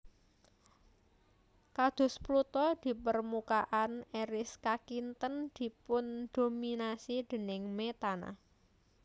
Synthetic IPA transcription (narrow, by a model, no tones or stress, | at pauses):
kad̪̥ʊ̤splut̪ɔd̪̥i̤pərmukaʔaneɾɪskakint̪ənd̪̥i̤pʊnd̪̥o̤minasid̪̥ə̤nɪŋmet̪ana̰